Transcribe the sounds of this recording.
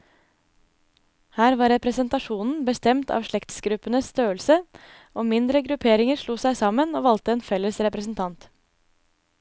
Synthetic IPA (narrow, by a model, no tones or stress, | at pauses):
hæːɾʋɑːɾɛpɾəsənt̪ɑʂuːnn̩bəst̪ɛmt̪ʰɑ̰ːʋʂɭɛkt̪sɡɾʉpənəsst̪ʰøːəlsə | oːmɪnd̪ɾəɡɾʉpʰeːɾɪŋəɾʂɭuːsæɪsɑmənoːʋɑlt̪əeːnfɛlːəsɾɛpɾəsn̩t̪ʰɑnt̪